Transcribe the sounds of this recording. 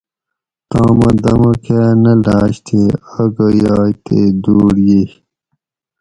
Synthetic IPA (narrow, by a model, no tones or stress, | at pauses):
t̪ãːmɐd̪ɐmɐkanɐlaːɕt̪ʰeɐɡəjaːjt̪ed̪uːɽjeh